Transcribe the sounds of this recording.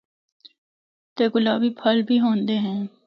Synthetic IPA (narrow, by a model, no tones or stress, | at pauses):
t̪eːɡʊlaːbiːpʰəlbʱiːɦõːnd̪eːɦɛ̃ː